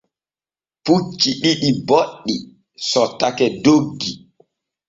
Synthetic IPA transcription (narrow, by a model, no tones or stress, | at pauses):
put͡ʃːiɗiɗibɔɗːi | sɔtːakɛdoɡːi